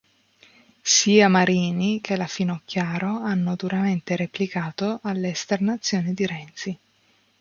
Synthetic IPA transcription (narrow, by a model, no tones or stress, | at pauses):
siːamaɾiːnikʰelafinokːjaːɾoanːod̪uɾament̪eɾeplikaːt̪oʔalːeːst̪ernat̪sːjoːnid̪iɾɛnt̪si